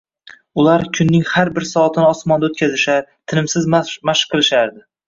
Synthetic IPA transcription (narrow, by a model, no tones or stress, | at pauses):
ʊlaɾkʲʰʊnːɪŋhaɾbɪɾsɒt̪ʰɪnɪɒsmɒnd̪aot̪̚kʲʰazɪʃaɾt̪ʰɪnɪmsɪzmaʃqʰːɨlˠɪʃaɾd̪ɪ